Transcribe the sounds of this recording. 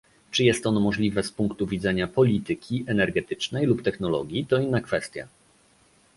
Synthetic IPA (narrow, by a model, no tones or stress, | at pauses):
t͡ʂɘjɛst̪ɔnɔmɔʐlʲivɛspuŋkt̪uvʲid̪zɛɲapɔlʲit̪ɘkʲiʔɛnɛɾɡɛt̪ɘ̥t͡ʂnɛjlupt̪ɛxnɔlɔ̰ɡʲjit̪ɔinːakfɛst̪ʲja̰